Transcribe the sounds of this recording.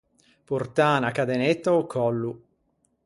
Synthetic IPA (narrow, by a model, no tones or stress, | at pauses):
purt̪aːnakad̪enet̪ːaokʰːɔlːu